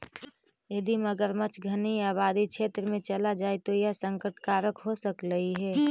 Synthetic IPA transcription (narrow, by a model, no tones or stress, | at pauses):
jəd̪iməɡəɾmət͡ʃɡʱəniaːβaːd̪ikʃʰeːt̪ɾəmẽt͡ʃəlad͡ʒaːet̪ojəɦsə̃ŋkəʈkaːɾəkɦosəkɾəɦiɦɛː